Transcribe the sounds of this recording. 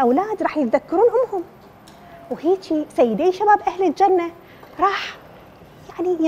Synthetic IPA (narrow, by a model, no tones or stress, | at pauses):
ʔawlaːd̪ɾˤɑːħjɪt̪ðakːɑɾˤuːnʔʊmːhʊm | wheːt͡ʃisajːɪd̪eːʃabaːbʔahlɪld͡ʒanːa | ɾˤɑːħ | jaʕni